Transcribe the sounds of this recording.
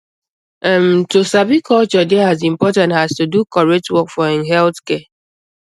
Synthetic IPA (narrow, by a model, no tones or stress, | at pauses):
ɛm̩tosabikʰɔlt͡ʃɔdɛazĩm̩pɔtãntastudukɔɹetwɔkfɔnɦɛltkɛ